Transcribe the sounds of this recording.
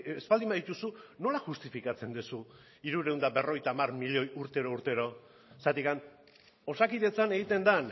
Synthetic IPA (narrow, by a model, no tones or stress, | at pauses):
espald̪imaðit̪usuno̞laʝust̪ifikat͡se̞nd̪usu | iɾuɾe̞uwnd̪abe̞ro̞ɣ̞ejt̪aːmarmiʎojuɾt̪e̞ɾo̞uɾt̪e̞ɾo̞ | sat̪ikan | o̞sakiðe̞t͡sane̞ɣit̪e̞nd̪an